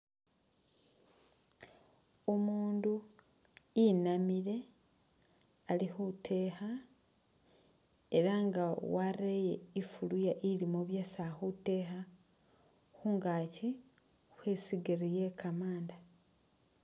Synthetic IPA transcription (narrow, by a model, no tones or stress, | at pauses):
o̞muːndu | inamiɾe̞ | alixutʰe̞ːha | eɾaŋɡawaɾejeifulujaʔilimoβjasaxute̞ːxa | xuŋɡaːci | xwesiɡiɾijekʰamaːnda